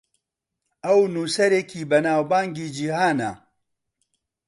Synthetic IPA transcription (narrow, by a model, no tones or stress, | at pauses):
ɐwnuːsɐɾeːkʰiːbɐnaːwbaːŋɡiːd͡ʒihaːnɐ